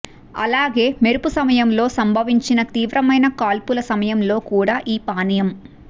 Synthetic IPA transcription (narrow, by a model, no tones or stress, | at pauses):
ɐ̰laːɡe̞ːmeɾupusɐmɐjɐmlo̞ːsɐmbʱɐʋiɲt͡ʃinɐt̪iːʋɾɐmɐjnɐkaːlpulɐsɐmɐjɐmlo̞ːkuːɽaːʔiːpaːnɐjɐm